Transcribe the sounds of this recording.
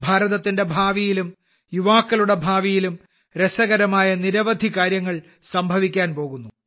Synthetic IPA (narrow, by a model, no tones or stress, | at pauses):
bʱaːɾɐðɐt̪ːinde̞bʱaːʋijilum | juʋaːkːɐluɽe̞bʱaːʋijilum | ɾesɐɣɐɾɐmaːjɐniɾɐʋɐd̪ʱikaːɾjɐŋːɐɭ | sɐmbʱɐʋikʲːaːnpo̞ːɣunːu